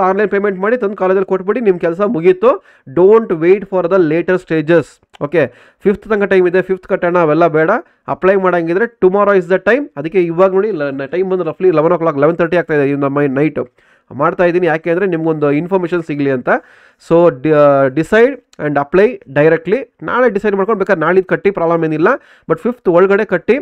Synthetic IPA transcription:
aːɾlɐjnpeːmeɳʈmaːɽit̪ond̪̚kaːlɐd̪ɐlikoʈːbiɽinimkɛls̬ɐmuɡit̪ːu | ɖoːɳʈʋeːʈpʰɐɾd̪ɐleːʈɐɾsʈeːd͡ʒes | oːke | pʰipt̪ʰt̪ɐŋɡɐʈɐjmid̪epʰipt̪ʰkɐʈːɐnaːʋɛlːɐbɛːɽɐ | ɐplɐjmaːɽaŋɡid̪ɐɾeʈumaːɾoːis̬d̪ɐʈːɐjmɐd̪ɐkːeiʋaːɡɐnoːɽiʈɐjmbɐnd̪ɐpʰliːlɛʋɐnoːkɭaːkleʋɐnt̪ʰɐɾʈiaːɡ̚t̪aːjid̪ind̪ɐmːɐjnɐjʈ | maːɖt̪aːjid̪iːnijaːkeɐnd̪ɐɾenimɐɡeond̪uinpʰoːɾmeːʃɐnsiɡliɐnt̪ɐ | soːɖɖisɐjɖɐɳɖɐplɐjɖɐjɾek̚ʈlina̰ːɭeɖisɐjɖmaːɽkoɳbeːkad̪ɾɛnaːɭid̪̚kɐʈːipɾaːblɐmenilːɐ | bɐʈpʰipʰt̪ɔɭɡɐɽe̞kɐʈːi

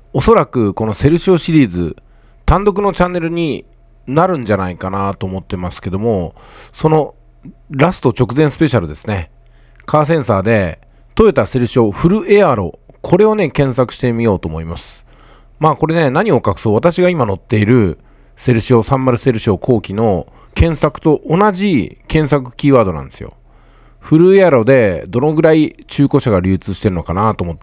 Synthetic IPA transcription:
o̞so̞ɾakɯ̟ko̞no̞se̞ɾɯ̟ɕio̞ɕiɾʲiːzɨ̰ | t̪ãnd̪o̞k̬ɯ̟no̞t͡ɕãnːe̞ɾɯ̟ɲ̟i | naɾɯ̟̃ɲ̟d͡ʑanaikanat̪o̞ːmo̞t̪ːe̞masɨ̥ke̞d̪o̞mo̞so̞no̞ | ɾasɨ̥t̪o̞t͡ɕo̞kɯ̟zẽsɨ̥pe̞ɕaɾɯ̟d̪e̞sɨ̥ne̞ | kʰaːs̬ẽ̞ɰ̃saːd̪e̞ | t̪o̞et̪ase̞ɾɯ̟ɕio̞ɸɯ̟ɾɯ̟ʔe̞aɾo̞̰kʰo̞ɾe̞o̞ne̞kẽ̞ɰ̃sakɯ̟ɕi̥t̪e̞mʲijo̞ːt̪o̞ːmo̞imasɨ̥ | maːko̞ɾe̞ne̞naɲ̟io̞kakɯ̟̥soːβat̪aɕiɡaimano̞t̪ːe̞iɾɯ̟ | se̞ɾɯ̟ɕio̞sãmːaɾɯ̟se̞ɾɯ̟ɕio̞kʰo̞ːkʲino̞ | kẽ̞ɰ̃sakɯ̟̥t̪o̞ʔonaʑikẽ̞ɰ̃sakɯ̟̥kʲiːβaːd̪o̞nã̰nd̪e̞sɨjo̰ | ɸɯ̟ɾɯ̟e̞aɾo̞d̪e̞d̪o̞no̞ɡɯ̟ɾait͡ɕɨːko̞ɕaɡaɾʲɨːt͡sɨːɕi̥t̪e̞ɾɯ̟no̞kanat̪oːmot̪ː

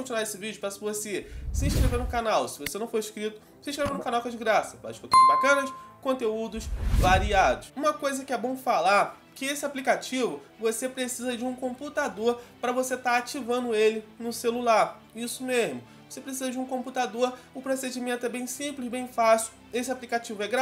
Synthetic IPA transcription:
kõt͡ʃinwaesɪvid͡ʒʊpɾɐsɪvosesɪĩʃkɾeveɾnʊ̃kanawsɪvosenɐ̃w̃foɾiʃkɾit̪ʊ | sĩʃkɾeveɾnũkanawkɛd͡ʒɪɡɾasɐva̰̥kokibakɐ̃nɐskõnt̪eud̪ʊʃvaɾiad̪ʊʃũmɐkojzɐkɪɛbõw̃falaɾ | kɪesɪaplikat͡ʃivʊ | vosepɾesizɐd͡ʒɪũkõput̪ad̪oɾpɾɐvoset̪aɾat͡ʃivɐ̃nd̪ʊelɪnʊselulaɾ | isʊmeʒmʊ | vosepɾesizɐd͡ʒɪũkõmput̪ad̪oɾʊpɾosed͡ʒimẽnt̪ʊɛbẽj̃sĩmplɪzbẽj̃fasiw | esɪaplikat͡ʃivʊɛɡɾa

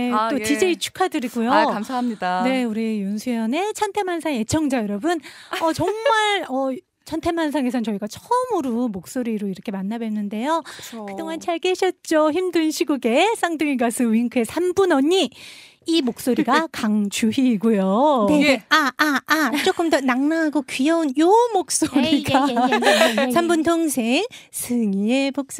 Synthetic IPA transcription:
et͈otid͡ʑe̞it͡ɕʰu̥kʰadɯɾiɡujoamsʰaɦmɲidane̞uɾijunsʰujʌne̞t͡ɕʰantʰemansʰaŋje̞t͡ɕʰʌŋd͡ʑajʌɾʌbɯnʌt͡ɕʌŋmaɭʌ | t͡ɕʰʌntʰemans̬ʰaŋe̞s̬ʰʌnt͡ɕʌiɡat͡ɕʰʌmɯɾomok̚s͈oɾiɾoiɾʌkʰe̞manːabwenːɯnde̞jokɯdoŋant͡ɕʰaɭk͈eɕʰʌt̚t͡ɕ͈oçimdɯnɕʰiɡuɡe̞s͈ʰaŋdɯŋiɡasʰɯɥiŋkʰɯesʰambunʌɲi | imok̚s͈oɾiɡakaŋt͡ɕuɦiɡujoeeaaat͡ɕ͈ok͈ɯmdʌnaŋnaɦaɡokɥiʌunjomok̚s͈oɾiɡa | sʰambuntʰoŋsʰesʰɯŋiebok̚s͈

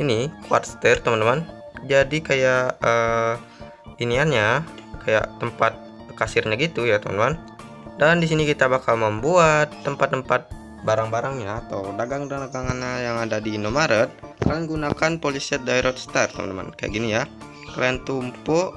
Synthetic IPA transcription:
inikwa̰rt̪st̪art̪əmənːəmand͡ʒadikajaʔəː | linianɲakaja̰ʔt̪ːəmpat̪̚ | kasɪrɲaɡit̪ujat̪əmənəman | dandis̬inikit̪abakalməmbuat̪ːəmpat̪ːəmpat̪̚ | baɾaŋbaɾaŋɲaːt̪awdaɡaŋdaaɡaŋanɲajaŋadadinomaɾət̪̚kananɡunakanpolisɛt̪̚dajɾʔɔt̪st̪art̪əmə̰nəma̰nka̰ja̰ʔɡinija | kɾant̪umpɔʔ

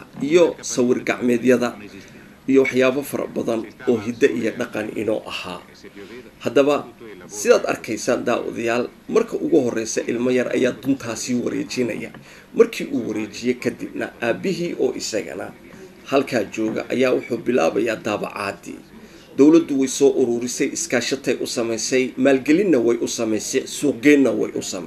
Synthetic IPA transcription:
ɐijɔsɐwɪrɡɑʕmɛːðjɐðɐ | ijɔwɑħjaːβɐfɐɾɐ̰bɐðɐnɔːɦɪd̪ɐʔijɔɖɑqɑnɪ̰nɔ̰ːʔɐha̰ː | hɐd̪ɐβɐsɪðaːd̪ɐ̰rkʰɛjsaːnd̪aːwʔɔ̰ðɐjaːlmɐrkʰɐʔʊɣʊɦɔrɛjsɐʔɪlmɐjɐrʔɐ̰jaːd̪ʊnt̪ʰaːsiːwɐɾɛ̰ːt͡ʃɪnɐ̰jɐ̰ | mɐrkʰiːʔuːwɐɾɛːt͡ʃɪjɛjkʰɐd̪ɪbnɐ̰ʔaːbɪɦiːʔɔːʔɪsɐɣɐ̰nɐ̰ | hɐlkʰaːt͡ʃɔːɣɐ̰ʔɐ̰jaːwʊħuːbɪla̰ːβɐjaːd̪aːβɑ̰ʕɑːd̪ḭː | d̪̥ɔwlɐd̪ʊwɛjsɔːʔʊɾuːɾɪsɛjɪskʰaːʃɐt̪ʰɛjʔʊsɐmɛjsɛjmaːlɡɛlɪnːɐwɛjʔʊsɐmɛjsɛjsuːq̚ɡɛːnːɐwɛ̰jʔʊ̰sɐmɛ̰

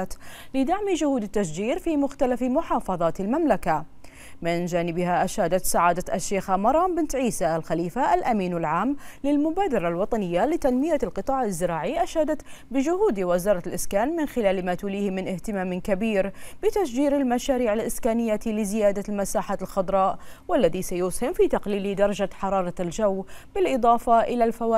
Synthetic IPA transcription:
t̪lɪd̪aʕmid͡ʒʊhuːd̪ɪt̪ːasd͡ʒiːɾfimʊxt̪alafmʊħɑːfɑðˤɑːt̪ɪlmamlaka | mɪnd͡ʒaːnɪbɪhaʔaʃaːd̪at̪saʕaːd̪at̪ʔaʃːeːxamɑɾˤɑːmbɪnt̪ʕiːsaʔalxaliːfaʔalʔamiːnalʕaːmlɪlmʊbaːd̪ɑɾˤɑlwɑt̪ˤɑnɪjːalɪt̪anmɪjalqɨt̪ˤɑːʕɪzːɪɾaːʕiʔaʃaːd̪at̪bɪd͡ʒʊhuːd̪wɪzɑːɾˤɑlʔɪskaːnmɪnxɪlaːlmat̪uliːhmɪnʔɪht̪ɪmaːmɪnkabiːɾb̥ɪt̪asd͡ʒiːɾalmaʃaːɾiːʕalʔɪskaːnɪjːat̪ilɪzɪjaːd̪almasaːħalxʊd̪ˤɾˤɑːʔwalːaðisajʊːshɪmfiːt̪aqliːlid̪ɑɾˤɑd͡ʒaħɑɾˤɑːɾˤɑld͡ʒawːbɪlʔɨd̪ˤɑːfɑʔɪlalfawaː

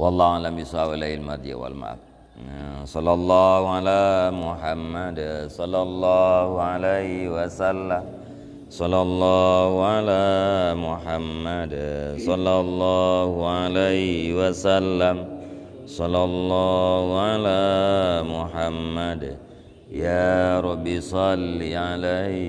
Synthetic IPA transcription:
wɑlˤːaːalambisawalailmad̪ija̰wa̰lma̰ | sɑlːɑlˤːɑhualamʊħamːadsɑlːɑlˤːɑːhualehiwasalːam | sɔlːɑlˤːɑːhualaːmuħamːadsɑlːɑlˤːɑːhualehwasalːam | sɔlːɑlːɑːhuʕalaːmuħamːad | jaɾɔbisɑliala

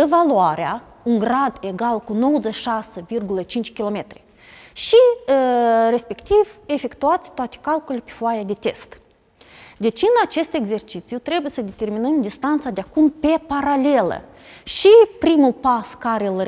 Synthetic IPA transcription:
evaluaɾea | uŋɡɾad̪e̞ɡalkuno̞wozet͡ʃʃasevirɡulət͡ʃint͡ʃʲkʲilo̞me̞t̪ɾe | ʃi | re̞spe̞kt̪ive̞fe̞kt̪uat̪sʲt̪oat̪e̥kalkolelepe̥foajad̪e̞t̪e̞̰st̪ | d̪e̞t͡ʃɨnat͡ʃe̞st̪e̞ɡze̞rt͡ʃit̪sjut̪ɾe̞bujesəd̪e̞t̪e̞rminəmd̪ist̪ant̪sad̪eakumpe̞paɾale̞lə̰ | ʃipɾimulpaskaɾel

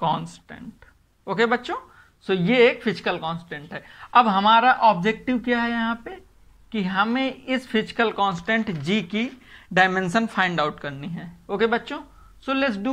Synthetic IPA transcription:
kɔ̃ːnsʈḛ̃ɳʈ | oːkebɐtːʃõː | soːjeeːkfɪd͡ʒɪkəlkɔːnsʈẽɳʈɦɛːɐbɦɐmaːɾaʔɔːbd͡ʒek̚ʈɪʋkjaɦɛjɐɦãpe | kiɦɐmẽɪsfɪd͡ʒɪ̥kəlkɔ̃ːnsʈẽɳʈd͡ʒikiɖaːɪmẽnʃənfʰãːɪ̃ɳɖaʊʈkɐɾniɦɛːoːkebɐtːʃõ | solɛʈsɖuː

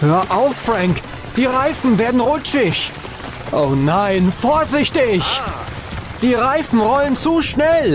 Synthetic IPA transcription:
høːɐʔaʊfːʁaŋk | d̥iːʁaɪfn̩veːɐdn̩ʁʊt͡ʃɪç | ʔoʊnaɪnfoːɐzɪçtɪç | d̥iːʁaɪfn̩ʁɔlənt͡suːʃnɛl

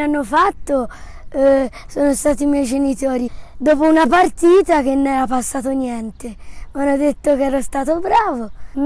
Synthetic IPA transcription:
anːofat̪ːo | sɔːnost̪aːt̪imjɛjd͡ʒenit̪ɔːɾid̪ɔːpounapart̪iːt̪ak̟enːɛɾapːasːaːt̪onjɛnt̪emanːod̪et̪ːokɛːɾost̪aːt̪obɾaːvo

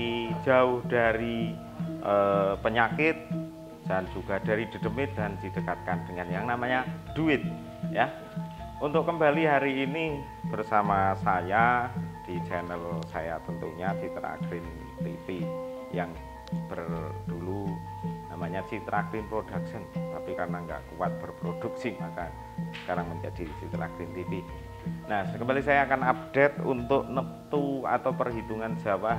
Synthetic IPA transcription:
i̥d͡ʒaʊhd̥aɾi | ʔəpəɲakɪt̪̚ | d̥and͡ʒuɡ̥ad̥aɾid̥ə̤dəmɪt̪̚dandid̥əkat̪̚kand̥əŋanjaŋnamaɲad̥uɪt̪̚ | ja | unt̪ʊkːəmbaliɦaɾiːni | b̥ərsamasajad̥it͡ʃɛnəlsa̰ja̰t̪ənt̪ṵɲat͡ʃit̪ɾa̰ɡɾɪn | t̪ifi | jaŋ | b̥ərd̥ulu | namaɲat͡ʃit̪ɾak̚ɾɪnpɾodak̚sɪnt̪apikarnaŋɡa̰ʔkuwat̪̚b̥ərpɾod̥uk̚sɪakan | skaɾaŋməɲd͡ʒadit͡ʃit̪ɾa̰kɾɪnt̪ipi | nahskəmbalisajaːkanap̚d̥et̪̚ṵnt̪ʊʔnəp̚t̪ua̰t̪awpərɦibuŋand͡ʒ̥awa

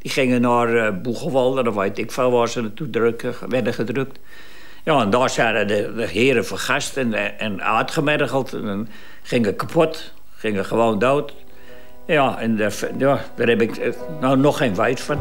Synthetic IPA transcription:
d̥ixɪŋənɔːrbuɣəʋɔlˠdədɔʋɛjtɪkfalˠʋɔːsənətudrkəʋɛrdəxədrøk̚t | jaːɛndɔːsaːdədədəhɪəɾəfəχastɛnɛna̰ːtχəmɛrɣəlˠtʰɛdɔn | χɪŋəkapʰot | χɪŋəxəʋoːndoːt | jaɛndəjad̥ərɛbɪk | nonoxeːnʋɛjtfan

